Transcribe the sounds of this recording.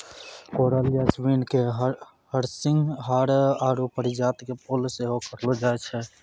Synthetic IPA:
koɾalijaswinkeɦ | həɾsiŋɡɦaɾaɾopəɾid͡ʒat̪kepolseɦokəɾlɔd͡ʒaet͡ʃʰɛ

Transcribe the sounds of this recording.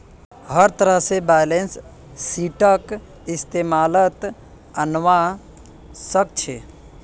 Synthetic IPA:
həɾt̪əɾəɦsebajlensː | iʈək | ɪst̪eːmaːlət̪ | ənʋa | sək̚t͡ʃʰe

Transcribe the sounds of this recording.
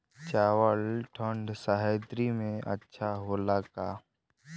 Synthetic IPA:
t͡ʃaːwəlʈʰə̃ɳɖsaɦɛd̪ɾimẽʔə̰tːʃʰaɦoːlaːkaː

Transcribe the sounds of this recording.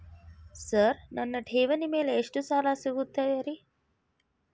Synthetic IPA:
səɾnɐnːəʈʰeʋənimeleeʂʈusalasəɡut̪ːajəɾi

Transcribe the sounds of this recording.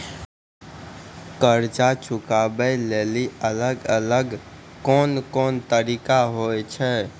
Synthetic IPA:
kəɾd͡ʒat͡ʃʰukabəleliələɡələɡ | konkont̪əɾikaɦojt͡ʃʰɛ

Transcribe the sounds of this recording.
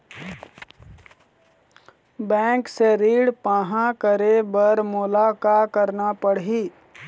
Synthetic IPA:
bɛ̃ːŋkseɾiːɽpaːɦãkəɾebəɾmʊlakakəɾnapəɽɦiː

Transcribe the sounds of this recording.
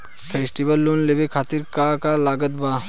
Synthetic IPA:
pʰeːsʈiʋəlːunleʋekʰaːt̪iɾkaːkalaːɡət̪̚baː

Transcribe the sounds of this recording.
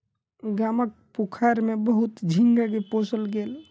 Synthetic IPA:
ɡamək̚pukʰaɾmebəɦut̪d͡ʒʱiŋɡaɡeposəlɡeːl

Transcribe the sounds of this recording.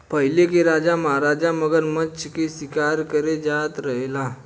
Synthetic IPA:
pəjlekiɾad͡ʑaməɦaɾad͡ʑaməɡəɾməːkisikaɾkəɾed͡zat̪ɾəɦla

